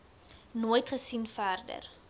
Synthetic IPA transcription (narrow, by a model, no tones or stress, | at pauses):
noːjtχəsinfæːrdə̰r